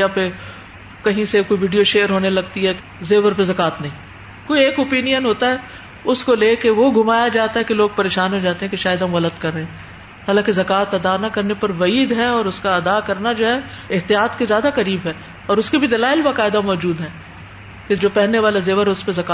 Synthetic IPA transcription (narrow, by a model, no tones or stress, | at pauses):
ape | kɐɦĩsekoːiʋiːɖijoʃeːəɾɦoːnelɐɡ̚t̪iɦɛk | zeːʋəɾpezɐkaːt̪nɐ̃ɦĩː | koːieːkoːpiːnijənɦoːt̪aɦɛ | ʊskoleːkeʋoɡʱʊmaːjad͡ʒaːt̪aɦɛkeloːɡ̚pɐɾeːʃaːnɦod͡ʒaːt̪ẽɦɛ̃keʃaːjəd̪ɦɐmɣɐlət̪kɐɾːɐɦẽ | haːlãːkizɐkaːt̪ɐd̪anɐkɐɾnepɐɾʋɐiːd̪ɦɛɔːɾʊskaɐd̪akɐɾnad͡ʒoːɦɛ | ɪɦt̪ijaːt̪kezjaːd̪akɐɾiːbɦɛː | ɔːɾʊskebʱid̪ɐlaːɪlbaːkaːɪd̪amɔːd͡ʒuːd̪ɦɛ̃ː | ked͡ʒoːpɛɦneʋaːlazeːʋəɾʊspezɐkaː